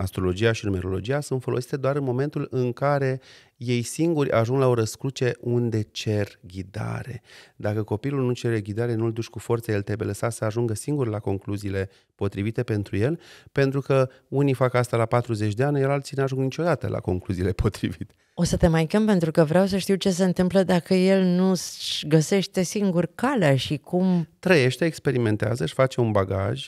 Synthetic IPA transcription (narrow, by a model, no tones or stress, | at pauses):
ast̪ɾo̞lo̞d͡ʒiaʃinume̞ɾo̞lo̞d͡ʒijasunt̪fo̞lo̞si̥t̪ed̪oaɾɨnmo̞me̞nt̪ulɨŋkaɾe̞ | je̞jsiŋɡurʲʔa̰ʒuŋɡlao̞ɾəskɾut͡ʃe̞und̪e̞t͡ʃe̞rɡʲid̪a̰ɾe̞d̪akəko̞pilulnut͡ʃe̞ɾe̞ɡʲid̪aɾe̞nuld̪ut͡ʃʲkufo̞rt̪səjelt̪ebeləsasəaʒuŋɡəsiŋɡuɾelako̞ŋkluziːle̞ | po̞t̪ɾivit̪e̞pe̞nt̪ɾuje̞lpe̞nt̪ɾukə | unifakast̪alapat̪ɾuzet͡ʃʲd̪eanelalt̪sinuaʒuŋɡnit͡ʃo̞d̪at̪əlʔa̰ko̞̰ŋkluziːle̞pʰo̞t̪ɾivit̪e̥ | o̞sət̪e̞majkʲempe̞nt̪ɾukəvɾeaws̬əʃt̪iwt͡ʃe̞s̬e̞ɨnt̪ɨmpləd̪akəje̞lnuʃɡəse̞ʃt̪e̞siŋɡurkaleaʃikʰumt̪ɾəje̞ʃt̪eːkspe̞ɾime̞nt̪ea̰zəʃʲfat͡ʃe̞unbaɡa̰ʒ